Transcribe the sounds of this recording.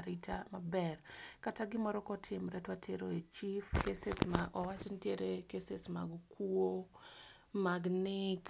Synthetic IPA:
ɾitʰamabɛrkataɡɪmɔɾɔkɔtʰɪmɾɛtwatʰeɾoet͡ʃifkesesmaʔɔwat͡ʃɪntjeɾekesesma̰ɡkʰuo | maɡnɪk

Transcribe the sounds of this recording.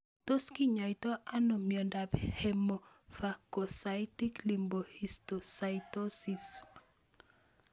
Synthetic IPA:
toskiɲajtoʔanomjɔndaphemo | fakosajtiklimbohistosajtosis

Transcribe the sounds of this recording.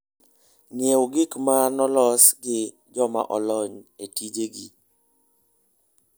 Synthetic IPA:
nɪewoɡɪkmanɔlɔsɡɪ | d͡ʒɔma̰ʔɔlɔɲetid͡ʒeɡi

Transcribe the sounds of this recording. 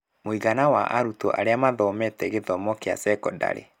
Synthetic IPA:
moiɣanawa̰ʔaɾuto̰ʔa̰ɾeamaðɔmɛtɛɣeðɔmɔkea̰sɛkɔda̰ɾḛ

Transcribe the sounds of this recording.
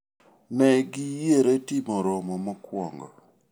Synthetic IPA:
nɛɡɪjeɾɛtɪmɔɾɔmɔmɔkwɔ̰ŋɡɔ̰

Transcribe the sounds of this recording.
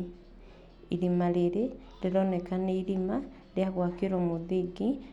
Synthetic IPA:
iɾimaɾeɾe | leɾɔnɛkaneiɾima | ɾjaɣwakeɾomoðiɡi

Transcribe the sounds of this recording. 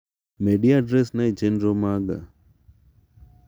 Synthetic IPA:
meɖiaɖɾɛsnait͡ʃenɾomaɡa̰

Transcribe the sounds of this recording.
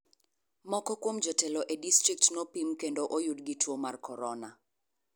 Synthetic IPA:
mɔkɔkwomd͡ʒɔtɛlɔʔedistɾik̚tnopimkendoʔojudɡitwomarkʰɔɾɔna

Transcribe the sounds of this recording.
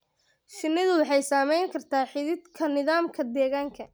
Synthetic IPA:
ʃɪnːɪðʊwɑħɑjsaːmɛjŋkʰɐrt̪ʰaːħɪðɪd̪kʰɐnɪðaːmkʰɐd̪ɛːɣaːŋkʰɐ

